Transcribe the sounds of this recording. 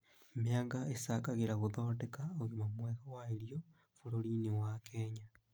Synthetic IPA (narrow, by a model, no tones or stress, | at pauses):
meaŋɡaesakaɣeɾaɣoðoːtekaoɣumamwɛɣawaeɾio | foɾoɾinewakɛːɲa